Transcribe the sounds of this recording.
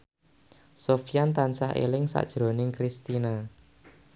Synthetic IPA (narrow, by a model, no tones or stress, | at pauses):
sofijant̪ansahḛlɪŋsa̰ʔd̥ʒ̥ɾonɪŋkɾist̪ina